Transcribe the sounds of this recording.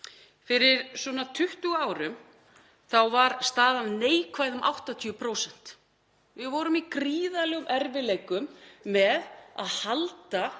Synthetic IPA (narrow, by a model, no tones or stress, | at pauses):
fɪɾɪɾ̥sɔnat̪ʰʏht̪ʏɣaːwɾʏm | θawvaɾst̪aːðanneːjkʰvaːjðʏmʔa̰wht̪at̪ʰiʏpʰɾoːwsɛn̥t̪ | vɪðvɔːɾʏmikɾiːðalɛːɣʏmʔɛɾvɪlejkʏmːɛða̰ðhalt̪a